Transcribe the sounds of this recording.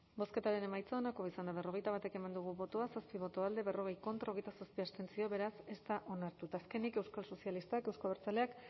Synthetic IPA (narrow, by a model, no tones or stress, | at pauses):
bo̞ske̞t̪aɾe̞ne̞majt͡saːnako̞isand̪aβ̞e̞ro̞ɣ̞e̞jt̪aβat̪e̞ke̞mand̪uɣuβo̞t̪oasaspiβo̞t̪o̞ald̪e̞βe̞ro̞ɣ̞e̞jko̞nt̪ɾao̞ɣ̞e̞jt̪asaspiast̪e̞nsio̞βe̞ɾase̞st̪aʔo̞naɾt̪ut̪aːske̞nike̞wskalso̞sialist̪ake̞wskoβeɾt͡sale̞ak